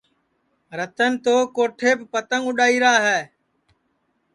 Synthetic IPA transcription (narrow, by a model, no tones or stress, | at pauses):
ɾət̪ənɪt̪oːkoːʈʰeːbpət̪əŋʊɗaːiːɾaːɦɛː